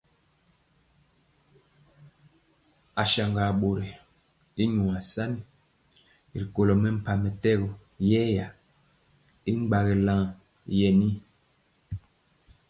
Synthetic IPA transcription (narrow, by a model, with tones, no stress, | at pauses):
a˨ʃa˨ŋɡa˨ɓo˨ɾe˨ | i˦ɲu˨a˨sa˦ni˦ | i˨ɾi˨ko˨lɔ˨mɛ˦m̩˨pa˨mɛ˨tɛ˦ɣu˨ | jɛ˦ja˨ | i˦ŋ͡mɡ͡ba˨ɣɛ˨lã˦˨ŋ | jɛ˨ni˦